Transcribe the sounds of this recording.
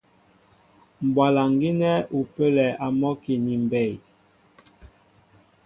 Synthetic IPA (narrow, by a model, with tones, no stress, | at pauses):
m˨bwa˨la˨ŋɡi˦nɛ˦u˨pə˦lɛ˨a˨mɔ˦ki˨ni˨m˨bɛ˦˨j